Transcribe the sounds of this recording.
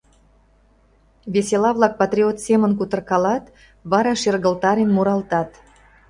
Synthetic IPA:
βeselɑβlˠɑk̚pɑt̪rʲiot̪semənkut̪ə̆rkɑlɑt̪ | βɑɾɑʃerɣəlt̪ɑɾenmuɾɑlt̪ɑt̪

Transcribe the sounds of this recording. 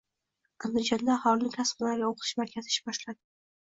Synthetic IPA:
and̪ɪd͡ʒɒnd̪aːhɒlˠɪnɪkʲʰasqɪnaɾɡʲaoqʰɨt̪ʰɪʃmaɾkʲʰazɪʃbɒʃlad̪ɪ

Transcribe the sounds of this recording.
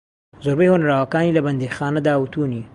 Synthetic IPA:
zʊɾbehonaɾawakɑnilaband̪exɑnad̪awut̪uni

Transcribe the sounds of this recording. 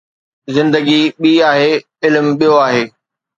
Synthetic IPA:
zɪ̃nd̪əɡiɓiːaːɦeː | ɪlmɓijoaːɦeː

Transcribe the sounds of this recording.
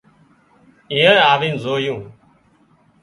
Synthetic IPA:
ĩːə̃ːaːʋĩːnzoːjũː

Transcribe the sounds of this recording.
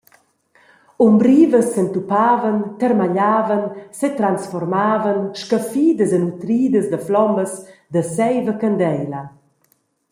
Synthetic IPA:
umbɾiːvəsːənt̪upaːvənt̪ərmaʎaːvənset̪ɾansfɔrmaːvənʃkəfiːd̪əzənut̪ɾiːd̪əzd̪əflɔməsd̪əsɛjvəkənd̪ɛjla

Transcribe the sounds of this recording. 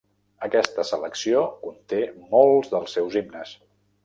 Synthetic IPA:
əkɛst̪əsələksiokunt̪emolˠzðəlˠsːɛwzibnəs

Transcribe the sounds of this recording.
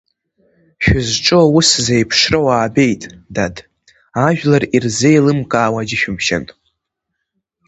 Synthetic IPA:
ʃᶣʊzʈ͡ʂʼɨuszejpʰʂrowaːbe̞jtʼdad | aʒᶣlarirzejlɨmkʼaːwad͡ʒɪʃᶣʊmʃa̰n

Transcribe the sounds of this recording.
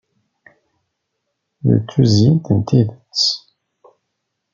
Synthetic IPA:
lə̰t͡sːuzint̪ənt̪iðət͡s

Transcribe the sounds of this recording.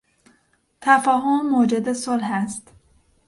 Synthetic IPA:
t̪ʰæfæːɦomːod͡ʒed̪esolɦæst̪

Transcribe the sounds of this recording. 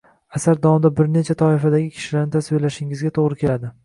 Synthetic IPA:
asaɾd̪ɒmd̪abɪɾne̞t͡ʃʰat̪ʰɒɪfad̪aɡʲɪkʲʰɪ̥ʃɪlaɾnɪt̪ʰasbojlaʃɪŋɪzɡʲat̪ʰoʁɾɪkʲʰe̞lad̪ɪ

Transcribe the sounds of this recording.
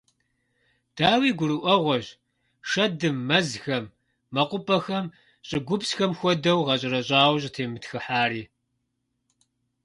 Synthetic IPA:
d̥aːwiːɡʷʊɾɨʔʷɔʁʷɔʑ | ʂɐdɨmːɐzxɐmː | ɐqʷʊpʼɐxɐm | ɕʼɪɡʷʊpsxɐmxʷɔdɐwʁɐɕ̬ʼɪɾɐɕʼaːwɕ̬ʼtʰeːmɨtxɨħaːɾiː

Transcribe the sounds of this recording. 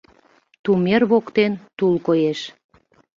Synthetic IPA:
t̪umerβokt̪ent̪ulkojeʃ

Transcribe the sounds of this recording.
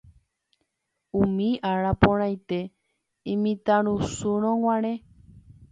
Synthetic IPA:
ũmĩʔaɾapõɾ̃ãjt̪e | ĩmĩt̪aɾ̃ũsuɾ̃õw̃ãɾ̃ẽ

